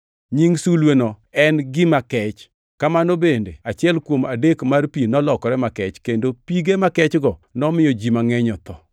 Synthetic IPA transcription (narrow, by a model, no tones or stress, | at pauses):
ɲiŋsulwenɔ | ɛnɡɪmakɛt͡ʃ | kamanobendḛat͡ʃɪɛlkwomadekmarpinɔlɔkɔɾɛmakɛt͡ʃkendopiɡemakɛt͡ʃɡɔnɔmɪjɔd͡ʒimaŋɛɲɔt̪ɔ